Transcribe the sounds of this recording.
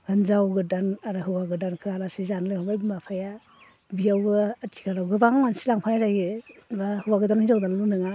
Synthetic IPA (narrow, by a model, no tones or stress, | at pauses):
ɡ̥anzawɡɯdanaɾɯɦɯwaɡɯdankʰɯalasizanlajhamajbimapʰaja | bijawɡɯːtʰi̥kʰalawɡɯbaŋmansilaŋpʰanazajɡebahɯwaɡɯdanhinzawdallunɯŋa